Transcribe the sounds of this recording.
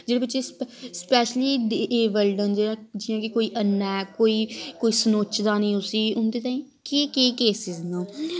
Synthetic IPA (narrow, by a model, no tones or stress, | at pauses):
d͡ʒeːɽeːbɪt͡ʃːeːsspɛːʃliːɖeʔeːʋəlɖənd͡ʒeãd͡ʒɪãːkɪkoːiːʔənːɛːkoːiːkoːiːsənoːt͡ʃd̪aːnĩːʊsiːʊnd̪eːt̪ãːĩː | kekeːkeːsɪznãː